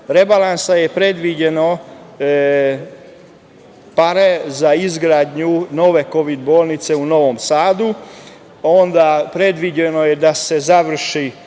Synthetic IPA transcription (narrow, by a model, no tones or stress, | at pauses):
ɾe̞balansaje̞pɾe̞d̪ʋid͡ʑe̞no | paɾe̞zaizɡɾaːd̪ɲuno̞ʋe̞ko̞ʋid̪bo̞ːlˠnit̪se̞uno̞ʋomsaːd̪u | o̞nd̪apɾe̞d̪ʋid͡ʑeno̞je̞d̪ase̞zaʋr̩ʃi